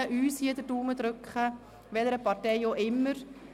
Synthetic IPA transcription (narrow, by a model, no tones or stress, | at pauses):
əʔyːshiːɐd̪əɾduːməd̪ɾʏkχə | ʋɛləɾəpɑɾtɛɪjoʔɪmːəɾ